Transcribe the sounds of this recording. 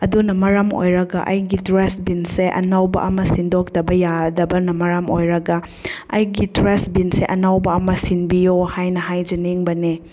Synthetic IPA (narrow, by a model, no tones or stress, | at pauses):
ɐdunɐmɐɾamo̰jɾɐɡɐʔɐjɡidɾesbinseʔɐ̰nawbɐ̰ʔɐmɐsindok̚tɐbɐjadɐbɐnɐmɐɾɐmojɾɐɡɐ | ɐjɡidɾesbinseʔɐnawbɐɐmɐsinbijohajnɐɦajd͡ʒɐniŋbɐne